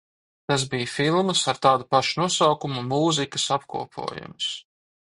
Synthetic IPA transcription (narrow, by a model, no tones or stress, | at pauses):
t̪as̬bijfilˠmsaɾt̪aːd̪upaʃunuɔsawkumumuːzikɐ̥sapkṵɔpʰṵɔjṵms